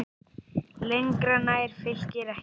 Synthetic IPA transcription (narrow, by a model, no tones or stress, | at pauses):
leŋkɾanaɛɾ̥fɪl̥cɪɾɛh